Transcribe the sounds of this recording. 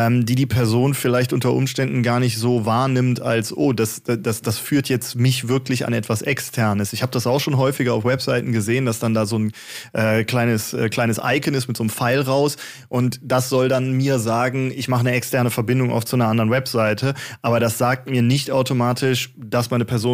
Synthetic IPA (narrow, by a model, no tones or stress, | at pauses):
ʔɛːmdiːdiːpʰɛɐzoːnfɪlaɪçtʔʊntɐʔʊ̰mʃtɛndn̩ɡaːɐnɪçtz̥oːvaːɐnɪmtalsʔoːdasd̥asd̥asfyːɐtʰjɛt͡stmɪçv̥ɪɐklɪça̰nʔɛtv̥asʔɛkstʰɛɐnəsɪçhaːbəd̥asaʊxʃoːnɦɔʏfɪɡɐaʊfwɛpz̥aɪtn̩ɡəzeːəndasd̥andaːzoːn | ʔɛːkl̥aɪnəsʔɛːkl̥aɪnəsʔa̰ɪkənɪsmɪtz̥oːnmfaɪlʁaʊs | ʔʊntd̥asz̥ɔldanmiːɐzaːɡŋ̩ɪçmaχənəɛkstʰɛɐnəfɛɐbɪndʊŋʔa̰ʊft͡suanɐʔandɐʁənwɛpz̥aɪtʰəʔaːbɐɾasz̥aːk̚tmiːɐnɪçtʔaʊtomaːtʰɪʃd̥asmaɪnəpʰɛɐzoː